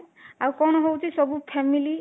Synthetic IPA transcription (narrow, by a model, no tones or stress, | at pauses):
awkɔñɔɦowt͡ʃʰisɔbupʰemili